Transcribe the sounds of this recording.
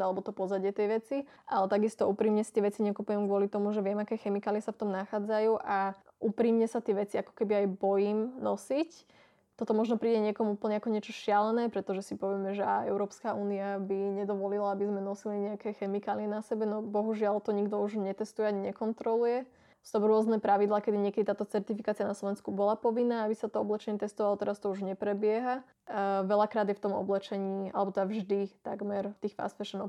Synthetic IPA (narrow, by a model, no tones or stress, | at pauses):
alɛbɔt̪ɔpɔzaɟɪɛt̪ɛjʋɛt͡si | ʔalɛt̪aɡist̪ɔʔuːpɾiːmɲɛsi̥t̪ɪɛʋɛt͡siɲɛkupujɛmɡʊɔlit̪ɔmuʒɛʋɪɛmakɛːxɛmikaːliɛsaft̪ɔmnaxaːd͡zajuːʔa | ʔupɾiːmɲɛsat̪ɪɛʋɛt͡siakɔ̥kɛbiajbɔjiːmnɔsic | t̪ɔt̪ɔmɔʒnɔpɾiːɟɛɲɪɛkɔmuːpl̩ɲɛakɔɲɪɛt͡ʃɔʃɪalɛnɛːpɾɛt̪ɔʒɛsipɔʋjɛmɛʒɛaɛʊɾɔːpskaʔuːniabiɲɛd̪ɔʋɔlilaabizmɛnɔsiliɲɛakɛxɛmikaːliɛnasɛbɛnɔbɔɦuʒɪalt̪ɔɲiɡd̪ɔuʒɲɛt̪ɛst̪ujɛaɲiɲɛkɔnt̪ɾɔlujɛ | st̪ɔmɾʊɔznɛpɾaʋid̪lˠaːkɛd̪iɲɪɛkɛd̪it̪aːt̪ɔt͡sɛɾt̪ifikaːt͡sianaslˠɔʋɛnskubɔlapɔʋinːaːabisat̪ɔɔblɛt͡ʃɛɲɛt̪ɛst̪ɔʋalˠɔt̪ɛɾast̪ɔuʒɲɛpɾɛbɪɛɦa | ʋɛʎakɾaːd̪jɛft̪ɔmɔ̰blɛt͡ʃɛɲiːʔa̰lɛbɔt̪ɛd̪avʒd̪it̪a̰ɡmɛɾft̪iːxfa̰sfɛʃɔnɔ